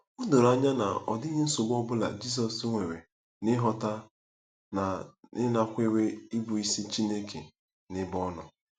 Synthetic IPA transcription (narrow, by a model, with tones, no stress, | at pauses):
ʊ˦do˨ɾa˦ɲa˦na̰˨ɔ̰˨di˦ɲe˦n̩˦sʊ˨ɡ͡bɔ˦bʊ˦la̰˨d͡ʒi˦s̬ɔ˨sŋʷe˨ɾe˨ | nɪ˦ɦɔ˦ta˦ | na˨nɪ˦na˦kʷe˦we˦i˦bu˨i˦si˦t͡ʃi˦ne˦kʰe˨ | nɪ˦bɔ˦nɔ˨